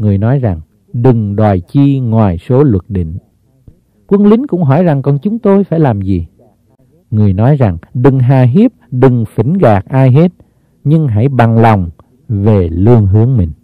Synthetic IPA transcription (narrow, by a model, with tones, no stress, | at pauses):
ŋɨ˨˩əjnɔ˨˦jza˨˩ŋ | ɗɨ˨˩ŋɗwaː˨˩jt͡ɕi˧ŋwaː˨˩jso˨˦lwə˨˩t̚ɗḭ˧˨ŋ̟ | kwə˧nlï˨˦ŋ̟kʊ̰˧˥ŋ͡mɦɔ˧˩jza˨˩ŋkɔ˨˩nt͡ɕʊ˨˦ŋ͡mt̪o˧jfaː˧˩jlaː˨˩mzi˨˩ | ŋɨ˨˩əjnɔ˨˦jza˨˩ŋɗɨ˨˩ŋɦaː˨˩ɦi˦˥əp̚ɗɨ˨˩ŋfi˧˩˦ŋɣaː˨˩k̚ʔaː˧jɦe˦˥t̚ | ɲɨ˧ŋɦa̰˧˩jɓa˨˩ŋla˨˩wŋ͡m | ve˨˩lɨ˧əŋɦɨ˨˦əŋmï˨˩ŋ̟